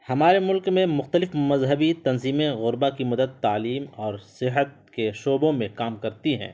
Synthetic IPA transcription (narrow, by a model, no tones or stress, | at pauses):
hɐmaːɾemʊlkmẽmʊxt̪əlɪfmɐzɦəbit̪ɐnziːmẽɣʊɾbakimɐd̪əd̪ːaːliːmɔːɾsɪɦət̪̚ | keʃoːbõmẽkaːmkɐɾt̪iɦɛ̰̃ː